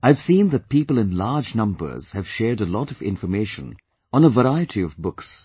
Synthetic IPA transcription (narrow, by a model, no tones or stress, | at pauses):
aɪv̥sĩːnðɨt̚piːpəlˠɨ̃nlaːd͡ʒnʌ̃mbə̰˞z̥hɨv̥ʃɛːɹdəlɔɾʌvɪ̰̃ɱfə˞meɪʃə̰̃n | ə̃nəvəɾaɪɨtʰiʌvbʊks